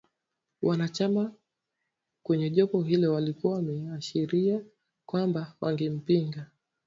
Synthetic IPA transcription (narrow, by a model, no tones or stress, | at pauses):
wʔanat͡ʃama | kwɛɲɛʄɔpɔɦilɛwalikuawmɛaʃiɾia | kwambawʔa̰ŋɡim̩piŋɡa